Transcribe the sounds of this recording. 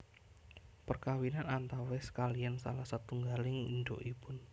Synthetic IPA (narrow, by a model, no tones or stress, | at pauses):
pərkawinanant̪awɛsə̥kaliansa̰lahsat̪uŋɡalɪŋnɖo̰ʔipʊn